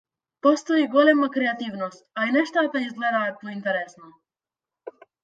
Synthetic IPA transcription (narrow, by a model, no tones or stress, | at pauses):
pɔst̪ɔiɡɔlɛmakɾɛat̪ivnɔst̪ainɛʃt̪at̪aizɡlɛd̪aːt̪̚pɔint̪ɛɾɛsnɔ